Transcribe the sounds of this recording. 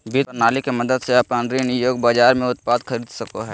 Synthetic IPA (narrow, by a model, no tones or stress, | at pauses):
bit̪ənaːlikemɐd̪əd̪seaːpãnd̪ɾinɪjoːɡbaːd͡ʒaːɾmẽʊt̪̚paːd̪xʰɐɾiːd̪sɐkoɦɛː